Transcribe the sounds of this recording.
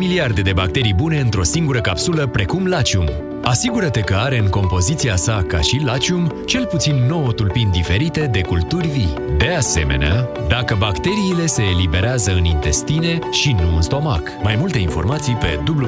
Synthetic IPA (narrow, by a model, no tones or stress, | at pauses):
miliard̪e̞d̪e̞bak̚t̪e̞ɾijbune̞ɨnt̪ɾo̞siŋɡuɾəkapsuləpɾe̞kumlat͡ʃium | asiɡuɾət̪e̞kəaɾe̞ɨŋko̞mpo̞zit̪siasaka̰ʃilat͡ʃiumt͡ʃe̞lput̪sinːo̞wot̪ulpind̪ife̞ɾit̪e̞d̪e̞kult̪urʲvi | d̪e̞ase̞̰me̞̰nead̪akəbakt̪e̞ɾiːle̞se̞ːlibe̞ɾeazəɨnint̪e̞st̪ine̞ʃinuɨnst̪o̞ma̰k | majmult̪e̞info̞rmat̪sijpe̞̰d̪ubl